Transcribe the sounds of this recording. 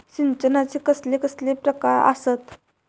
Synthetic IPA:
ɕint͡ɕənat͡ɕikəslekəslepɾəkaɾa̰sət̪

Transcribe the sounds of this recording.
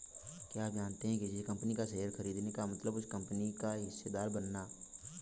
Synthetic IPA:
kjaaːpd͡ʒaːnt̪eɦɛ̃ked͡ʒɪskɐ̃mpnikasɐəɾxɐɾiːd̪nekamɐt̪ləbʊskɐ̃mpənikaɦɪsːed̪aːɾbɐnːaː

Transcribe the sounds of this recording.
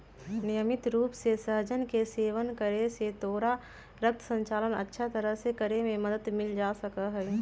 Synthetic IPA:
nɪjəmɪt̪ɾuːpsesəɦd͡ʒənkeseːʋənkəɾeset̪oːɾa | ɾək̚t̪ʰə̥sə̃ɲt͡ʃaːlənə̰tːʃʰat̪əɾəɦsekəɾemẽməd̪əd̪mɪld͡ʒaːsəkəɦɛː

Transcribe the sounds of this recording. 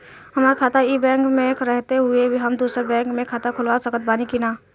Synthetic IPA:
ɦɐmaːɾkʰaːt̪aiːbɛ̃ːŋkmẽkɾɛɦt̪eɦʊebʱiɦɐmd̪uːsɾebɛ̃ːŋkmẽkʰaːt̪akʰʊlwasəkət̪̚baːnikinaː

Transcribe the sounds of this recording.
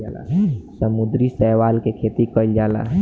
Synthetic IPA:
ala̰səmud̪ɾisɛɦwalkekʰet̪ikəld͡ʒaːla̰

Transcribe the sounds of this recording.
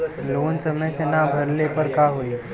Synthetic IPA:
lonsəməjsenabʱəɾlepəɾkaɦoi

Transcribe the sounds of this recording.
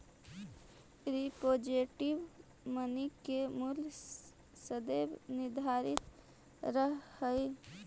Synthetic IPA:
ɾipod͡ʒeʈiʋ | mənikemul | səd̪ebnɪɾd̪ʱaɾit̪ | ɾəɦhəj

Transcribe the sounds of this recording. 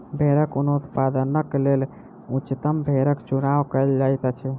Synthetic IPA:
bʱeɾəkunout̪pad̪ənəklel | ut͡ʃt̪əmbʱeɾəkt͡ʃunawkəld͡ʒajt̪at͡ʃʰu

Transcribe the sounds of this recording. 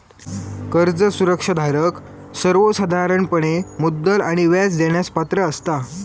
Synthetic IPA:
kəɾd͡zəsuɾəkʂəd̪ʱaɾək | səɾʋosad̪ʱaɾəɳpəɳ̃emud̪ːəlaɽ̃iʋjat͡sd͡ʑeɳ̃jaspat̪ɾəːst̪a

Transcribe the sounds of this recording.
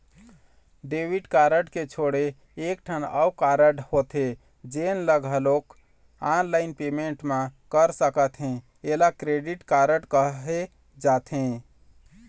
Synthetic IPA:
ɖeʋiɖkaɾəɖket͡ʃʰoɽeː | k̚ʈʰənə̰wkaɾəɖhot̪e | d͡ʒenləɡʱəlok | anlaɪnpemeɳʈmekəɾsəkət̪ɦẽ | elakɾeɖiʈkaɾəɖkəɦe | d͡ʒat̪ɦẽ

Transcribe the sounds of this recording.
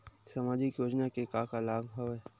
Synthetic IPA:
samaːd͡ʒɪkjoːd͡ʒnakekakalaːɡbʱəʋɦɛ

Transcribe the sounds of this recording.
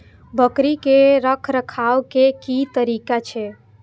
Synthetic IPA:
bʱəkɾikeɾəkʰɾəkʰaʋkekit̪əɾikat͡ʃʰe

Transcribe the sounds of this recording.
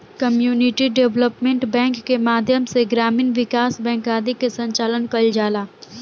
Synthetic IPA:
kəmjuːnɪʈiɖeʋləpmẽɳʈbɛ̃ːŋkːemaːd̪ʱjəmseɡɾaːmiːnʋɪkaːsbɛ̃ːŋkaːd̪ikesə̃ɲt͡ʃaːlənkəld͡ʒaːlaː

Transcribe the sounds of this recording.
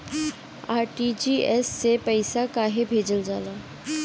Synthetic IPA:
aːɾʈid͡ʒiːɛsːepəɪsakaːɦebʱeːd͡ʒəld͡ʒaːlaː

